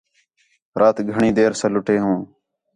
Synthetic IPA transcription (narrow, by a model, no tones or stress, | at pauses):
ɾʔaːt̪ɡʱəɳĩːd̪eːɾsəlʊʈeːɦõː